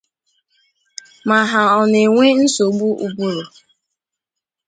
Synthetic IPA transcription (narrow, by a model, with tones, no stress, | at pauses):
ma˨ɦa˨ɔ˨ne˨ŋʷe˦n̩˦so˨ɡ͡bu˦ʔu˨bu˦ɾo˨